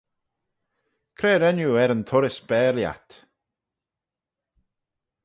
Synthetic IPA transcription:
kʰɾeːɾɛnjuːɛɾənt̪ʰʊɾɪsb̥ɛːlja̰t̪

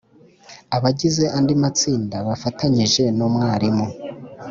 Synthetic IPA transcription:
aβaɟize̞ʔandimat͡siːndaβafataɲiʒe̞nomŋaːɾimo

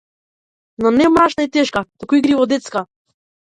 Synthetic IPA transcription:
nɔnɛmaʃnait̪ɛʃkat̪ukuiɡɾivɔd̪ɛt̪ska

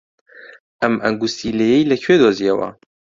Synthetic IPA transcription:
ʔɐmɐŋɡusileːjejlɐkʰweːd̪oːzijɛwɐ̰

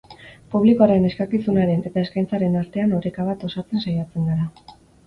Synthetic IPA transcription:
puβ̞likoaɾe̞ne̞skakisunaɾe̞ne̞t̪aeskajnt͡saɾe̞naɾt̪e̞anoɾe̞kaβat̪o̞sat͡se̞nsajat͡se̞ŋɡaɾa

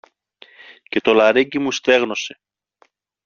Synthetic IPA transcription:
ce̞t̪o̞lɐɾeɟimust̪e̞ɣno̞se̞

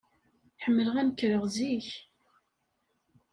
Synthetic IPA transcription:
ħəmːələʁænəkːɾəʁziç

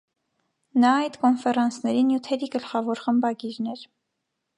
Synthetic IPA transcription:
nɑɑjt̪kɔnfɛrɑnt͡sʰnɛɾinjut̪ʰɛɾiɡəlχɑvɔɾχəmbɑɡiɾnɛɾ

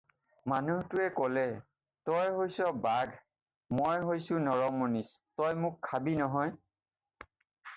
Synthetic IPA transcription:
manuhtʊɛkɔlɛ | tɔjɦojsɔbaɡʱ | mojɦojsʊ̃nɔɹɔmonistɔjmʊkʰːabinɔɦɔj

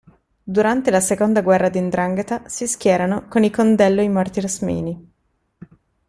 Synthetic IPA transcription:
d̪uɾant̪elasekond̪aɡwɛrːad̪ind̪ɾaŋɡet̪asiskʲjɛːɾanokonilkond̪ɛlːoimart̪iɾsmḭːni

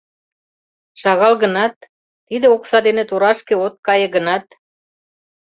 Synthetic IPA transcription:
ʃɑɣɑlɣə̆nɑt̪ː | id̪eoksɑd̪enĕt̪uɾɑʃkĕot̪̚kɑjə̆ɣə̆nɑt̪

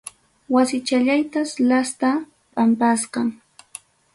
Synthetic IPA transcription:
wasɪt͡ʃaʎajt̪aslast̪a | pʼampasqɑŋ

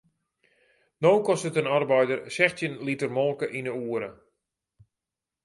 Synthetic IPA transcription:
nowkɔstətənarbɛjdərsɛxtjənlitərmɔlˠkəʔinəuəɾə

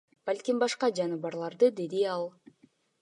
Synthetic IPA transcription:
b̥alʲkʲimbɑʃqɑd͡ʒɑnɯβɑɾlˠɑɾd̪ɯd̪e̞d̪iɑlˠ

